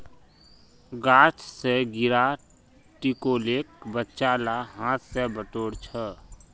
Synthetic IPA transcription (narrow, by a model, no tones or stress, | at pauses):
ɡaːt͡ʃseɡɪɾa | ʈikoːleːk̚bətːʃaːlaɦãːt̪ʰsebəʈoːɽt͡ʃʰə